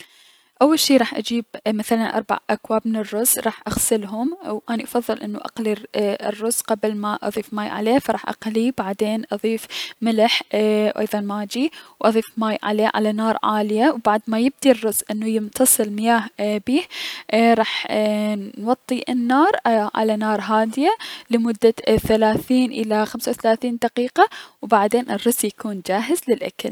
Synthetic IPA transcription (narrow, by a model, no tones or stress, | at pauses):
ʔawːalʃiːɾˤɑːħʔa̰d͡ʒiːbmaθalanʔɑ̰ɾˤba̰ʕʔakwaːbmɪnɪrːʊz̥ɾˤɑːħʔaɣsɪlɦʊmwʔaːniʔɑfɑðˤːɨlʔɪnːuʔɑ̰qlirːʊzqablmaʔɑ̰ðˤiːfmaːjʕa̰leːfɑɾˤɑːħʔɑ̰qlibaʕd̪eːnʔɑðˤiːfmɪlɪħwʔɑ̰jðˤɑnmaːd͡ʒiwʔɑðˤiːfmaːjʕa̰leːʕa̰lanɑːɾˤʕa̰ːljawbaʕd̪majɪb̚d̪irːʊsʔɪnːujɪmt̪ʰɑsˤɨlmɪjaːhbiːhɾˤɑːħ | nwɑt̪ˤːiʔɪnːɑːɾˤʕa̰lanɑːɾˤɦaːd̪ɪjalɪmʊd̪ːaθalaːθiːnʔɪlaxamsawθalaːθiːnd̪aqiːqawbaʕd̪eːnʔɪrːʊsjakuːnd͡ʒaːɦɪzlɪlʔa̰ka̰l